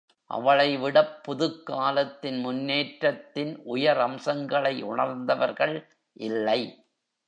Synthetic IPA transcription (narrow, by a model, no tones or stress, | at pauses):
ʔɐ̰ʋɐɭɐɪʋɪɽɐpːʊðɯkːaːlɐt̪ːɪnmʊnːeːʈɾɐt̪ːɪnʔʊjɐɾɐmsɐŋɡɐɭɐɪʊɳɐɾnd̪ɐʋɐɾɣɐɭ | ʔɪlːɐɪ